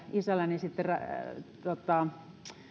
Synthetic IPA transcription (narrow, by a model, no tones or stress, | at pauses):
isælːænisit̪ːerɑt̪ot̪ːˑɑ